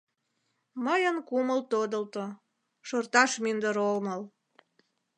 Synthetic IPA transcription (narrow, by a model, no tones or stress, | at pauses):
məjənkuməlt̪od̪əlt̪o | ʃort̪ɑʃmynd̪əɾolməl